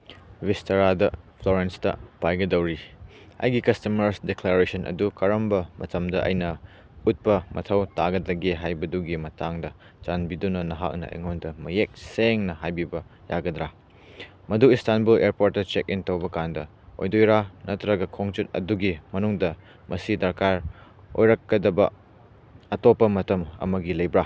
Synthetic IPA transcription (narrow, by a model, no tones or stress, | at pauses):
wistɐɾadɐpʰloɾenstɐ̰pajɡɐdɐwɾi | ɐ̰jɡikɐstɐmɐɾsdekleɾesɐnʔɐ̰dukɐɾɐmbɐmɐ̰tɐmdɐʔɐ̰jnɐ | ut̚pɐmʔɐtʰɐwtaɡɐd̪ɐɡeɦajbɐduɡimɐtʰaŋdɐ | t͡ʃanbidunɐnɐɦa̰k̚nɐ̰ɐ̰jŋondɐmɐjek̚seŋnɐhajbibɐjaɡɐdɾa | mɐduistanbuleɾpoɾt̚ːɐt͡ʃek̚intɐwbɐkandɐ | o̰jdojɾanɐtɾɐɡɐkʰoŋt͡ʃut̚ɐ̰duɡimɐnuŋdɐ | mʔɐsidɐɾkaɾ | o̰jɾɐkːɐdɐbɐ̰ | ɐtopːɐmɐtɐmɐ̰mɐɡilɐjbɾa